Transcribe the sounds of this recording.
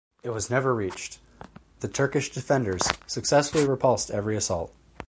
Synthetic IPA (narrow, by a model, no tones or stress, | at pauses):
ɨt̚wʌznɛvə˞ɹit͡ʃ | ðɨtʰɜ˞kɨʃd̥ɨfɛ̃ndə˞z̥sɨksɛsfl̩ˠiɹɨpʰʌlˠstɛvɹiɨsɔ̰lˠt̚